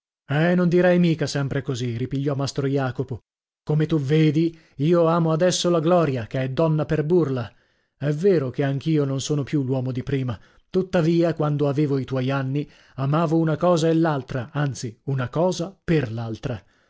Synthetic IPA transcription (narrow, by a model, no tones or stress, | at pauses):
ɛnond̪iɾɛjmiːkasɛmpɾekoziripiʎːɔmːast̪ɾojaːkopo | komet̪uveːd̪i | iːoaːmoad̪ɛsːolaɡlɔːɾjakeɛd̪ːɔnːaperburla | ɛvːeːɾokeaŋkiːononsoːnopjulwɔːmod̪ipɾiːma | t̪ut̪ːaviːakwand̪oaveːvoit̪wɔjanːi | amaːvounakɔːzaelːalt̪ɾaant̪siunakɔːzaperlalt̪ɾa